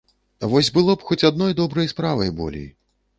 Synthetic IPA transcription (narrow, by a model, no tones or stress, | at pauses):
avɔsʲbɨlˠɔpxɔt͡sʲad̪̚nɔjd̪ɔbɾɐjspɾavɐjbɔ̰lʲḛj